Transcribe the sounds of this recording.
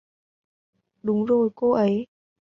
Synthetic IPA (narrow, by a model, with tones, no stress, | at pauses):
ɗʊ˨˦ŋ͡mzo˨˩jko˧ʔə˨˦j